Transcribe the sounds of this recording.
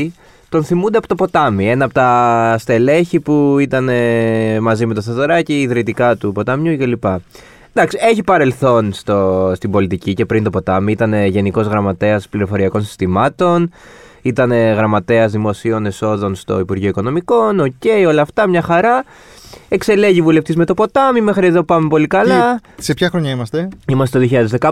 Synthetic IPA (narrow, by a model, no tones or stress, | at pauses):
t̪o̞nθimund̪eɐpot̪o̞po̞t̪ɐmie̞nɐɐpot̪ɐst̪e̞le̞çipuit̪ɐne̞mɐzime̞t̪oθɐzɐɾɐciːðɾit̪ikɐt̪upo̞t̪ɐmɲucelipɐ | d̪ɐksie̞çipɐɾe̞lθo̞nst̪ost̪ibo̞lit̪icice̞pɾint̪o̞pot̪ɐmiit̪ɐne̞ʝe̞niko̞zɣɾɐmɐt̪e̞ɐspliɾo̞fo̞ɾiɐko̞nsi̥st̪imɐt̪o̞n | it̪ɐne̞ɣɾɐmɐt̪e̞ɐzðimo̞sio̞ne̞so̞ðo̞nst̪o̞̰ipuɾʝioiko̞no̞miko̞no̞ce̞io̞lɐːft̪ɐmɲɐxɐɾɐ | e̞kse̞le̞ʝivule̞ft̪izme̞t̪o̞po̞t̪ɐmime̞xɾie̞ðo̞pɐmepo̞likɐlɐsepçɐxɾoɲɐimɐst̪eimɐst̪et̪oðioçiʎɐðezðekɐ